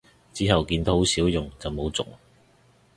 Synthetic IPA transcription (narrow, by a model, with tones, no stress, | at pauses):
t͡siː˨˥ɦɐ˨wkiː˧nt̪ɐ˥ho˨˥wsiː˨˥wjʊ˨ŋt͡sɐ˨wmo˨˧wt͡sʊ̰˨ŋ